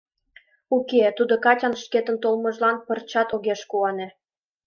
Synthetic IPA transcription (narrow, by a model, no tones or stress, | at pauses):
uket̪ud̪okɑtʲɑnʃket̪ənt̪olmɤ̆ʒlɑnpərt͡ɕɑt̪oɣeʃkuɑne